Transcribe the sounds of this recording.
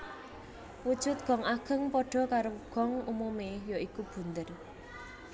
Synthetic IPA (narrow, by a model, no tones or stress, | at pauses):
wud̥ʒ̥ʊt̪̚ɡ̥ɔ̤ŋaɡ̥ə̤ŋpɔɖ̥ɔ̤kaɾoɡ̥ɔ̤ŋumumejoikub̥ṳnt̪ər